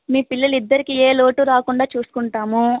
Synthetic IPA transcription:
miːpilːɐlid̪ːɐɾikieːlo̞ːʈuɾaːkuɳɖaːt͡ʃuːsu̥kuɳʈaːmu

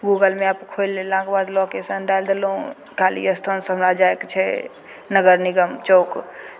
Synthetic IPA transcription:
ɡuɡəlmeapkʰojlːelãkbad̪lokesənɖajld̪elɦũ | kalḭəst̪ʰonsɦəmɾad͡ʒaekt͡ʃʰɛ | nəɡəɾniɡəmt͡ʃok

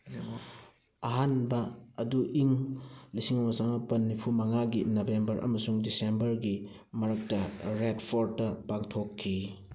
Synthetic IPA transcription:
ɐɦanbɐːduʔiŋlisiŋwasaŋɐpɐnːipʰumɐŋaɡinɐbembɐɾʔɐ̰mɐsuŋdisembɐɾɡi | mɐɾɐk̚tɐɾedpʰoɾtɐpaŋtʰokʰːi

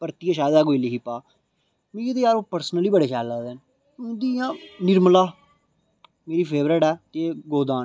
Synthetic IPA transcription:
pəɾt̪iːaʃaːd̪aːɡoiliːɦiːpaː | mĩːɡit̪eaːɾopəɾsənəliːbəɽeːkʰaːlaːd̪en | d̪iːjãːnɪɾməlaː | meːɾiːpʰeːbɾəːɽɛːt̪eːɡoːd̪aː

